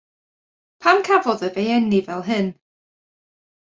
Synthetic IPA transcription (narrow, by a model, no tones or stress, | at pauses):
pʰamkʰavɔðəvejɛnivɛlˠɦɨn